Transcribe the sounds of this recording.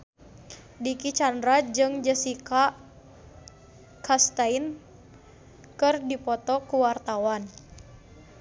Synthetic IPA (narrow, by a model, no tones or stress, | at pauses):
dikit͡ʃandɾad͡ʒɨŋd͡ʒəsika | kast̪ain | kɨrdipɔt̪ɔkuwart̪awan